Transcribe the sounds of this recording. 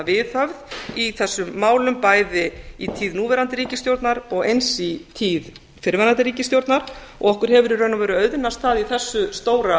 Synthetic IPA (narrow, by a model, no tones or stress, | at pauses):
vɪθhœvðiθɛsːʏmːaːwlʏmpaːjðɪit̪ʰiːðnuːvɛɾant̪ɪɾiːcɪst̪jowɾt̪naɾɔɣejnsit̪ʰiːð | fɪɾvɛɾant̪ɪɾiːcɪst̪jowɾt̪naɾ̥ | ɔ̰ɣɔhkʏɾ̥hɛvʏɾiɾrœɥnavɛːɾʏœɥðɪnast̪θaðiθɛsːʏst̪oːwɾa